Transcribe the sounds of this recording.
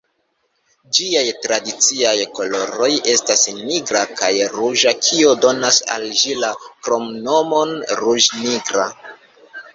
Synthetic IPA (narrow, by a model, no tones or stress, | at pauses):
d͡ʒiajtɾadit͡siajko̞lo̞ɾo̞je̞stasniɡɾakajɾuʒakʰiodo̞nasa̰lʒilakɾo̞mno̞mo̞nɾuʒniɡɾa